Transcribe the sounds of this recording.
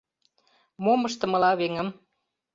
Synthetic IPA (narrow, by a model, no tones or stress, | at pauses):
moməʃt̪ɤ̆mɤ̆lɑβeŋə̆m